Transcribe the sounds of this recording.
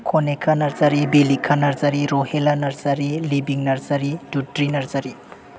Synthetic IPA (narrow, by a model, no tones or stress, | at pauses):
kʰonekʰɐnɐɾzɐɾibilikʰːanɐɾzɐɾiɾohelanɐɾzɐɾilibiŋnɐɾzɐɾidutɾinɐɾzɐɾi